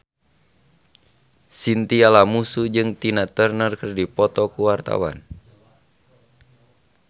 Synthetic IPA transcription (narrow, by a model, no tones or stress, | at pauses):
sint̪ialamusud͡ʒɨŋt̪inat̪ərnərkɨrdipɔt̪ɔkuwart̪a̰wa̰n